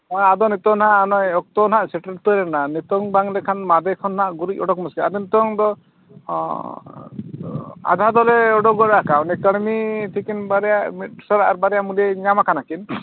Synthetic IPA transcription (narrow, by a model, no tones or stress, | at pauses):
ɔjad̪ɔnit̪ɔnɦaʔnɔjɔk̚t̪ɔnɦaʔsɛʈəɾt̪ɔɾɛnanit̪ɔŋbaŋlɛkʰanmad̪ekʰɔnɦaʔɡuɾicɔɽɔkmɔskiad̪ɔnit̪ɔŋd̪ɔ | a̰d̪ʱad̪ɔleɔɖɔɡɔɾakaunikəɽmit̪ʰikinbaɾɛjaʔmiʈsɔɾaʔaɾbaɾɛjamulieɲamakʰanakin